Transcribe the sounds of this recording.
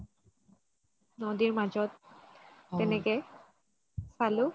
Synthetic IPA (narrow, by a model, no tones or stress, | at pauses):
nodiɹmazɔt̪̚ː | ɛnɛkɛ | sʰalʊ